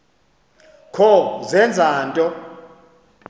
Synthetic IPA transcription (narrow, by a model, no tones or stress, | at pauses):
kʰɔzɛnd͡zʱaːntʼɔ